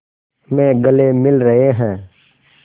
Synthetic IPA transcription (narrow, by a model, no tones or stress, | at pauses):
mɛ̃ːɡəlemɪlɾəɦeɦɛ̃ː